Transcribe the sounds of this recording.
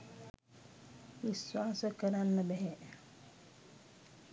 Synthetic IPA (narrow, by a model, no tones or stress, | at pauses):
ʋiswaːsəkəɾanːəbɛɦɛ